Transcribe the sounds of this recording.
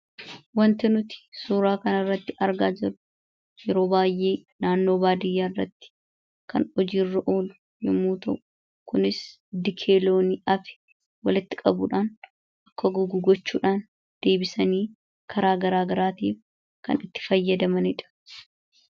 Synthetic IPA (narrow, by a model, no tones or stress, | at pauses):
wɐnt̪ɪnʊt̪ɪ̥suːɾaːkɐnɐrːɐt̪ːɪʔɐɾɡaːd͡ʒɪɾʊ̥ | jɛɾo̞ːbaːjʔe̞ːnaːnːo̞ːbaːd̪ɪjːaːrːɐt̪ːɪ̥ | kʰɐ̰nɔd͡ʒiːrːɐʔo̞ːlʊ̥ | jɛmːuːt̪ɐʔʊ̥ | kʊnɪs | d̪ɪkʰe̞ːlo̞ːnɪʔɐfɪ̥ | wɐlɪt̪ːɪkʼɐbʊ̰ᶑaːn | ʔɐkːɐɡʊɡʊɡɔt͡ʃːuːᶑaːn | d̪̥e̞ːbɪsɐniː | kʰɐɾaːɡɐɾaːɡɐɾaːt̪ḭːf | kɐ̰nɪt̪ːɪ̥fɐjːɐd̪ɐmɐnɪᶑɐ̥